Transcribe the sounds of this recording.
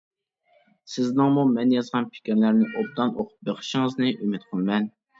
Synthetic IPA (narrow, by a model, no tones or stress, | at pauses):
sɪznɨŋmumɛnjɑzʁɑnpʰɪ̥kʲiɾlæɾnɪʔob̪̚d̪ɑnʔoqʰʊ̥p̚beqʰə̥ʃɪŋəznɨʔymɪt̪qʰolˠmɛn